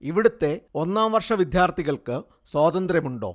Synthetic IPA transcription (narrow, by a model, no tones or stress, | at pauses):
iʋiɽut̪ːe̞o̞nːaːmʋɐrʂɐʋid̪jaːrt̪ʰiɣɐɭkɨ | swaːd̪ɐnd̪ɾjɐmuɳɖo̞̰ː